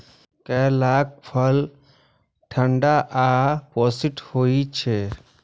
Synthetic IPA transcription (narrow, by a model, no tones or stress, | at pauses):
kɛːlaːk̚pʰəl | ʈʰəɳɖaʔapoːsɪʈhoit͡ʃʰe